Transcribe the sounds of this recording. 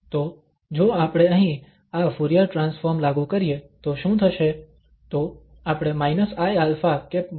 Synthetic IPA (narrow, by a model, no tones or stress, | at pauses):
t̪o | d͡ʒoapɽ̃eəɦĩ | afuɾijəɾʈɾãnsfoɾmlaɡũkəɾijet̪oʃũt̪ʰəʃe | t̪o | apɽ̃emainəsajalfake